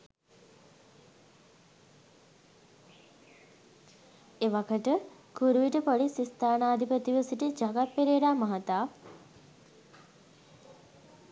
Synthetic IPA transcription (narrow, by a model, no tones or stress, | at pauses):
eʋakʰəʈə | kuɾuʋiʈəpoɖisist̪aːnaːd̪ʱipət̪iʋəsiʈid͡ʒaɡapːeɾeɾaːmaɦat̪aː